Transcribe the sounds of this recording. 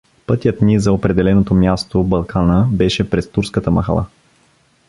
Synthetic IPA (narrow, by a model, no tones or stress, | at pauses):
pɤt̪ʲjət̪nʲizɐopɾɛd̪ɛlɛnot̪omʲjast̪obɐlˠkʰanəbɛʃɛpɾɛst̪uɾskət̪əmɐ̰xɐ̰lˠa̰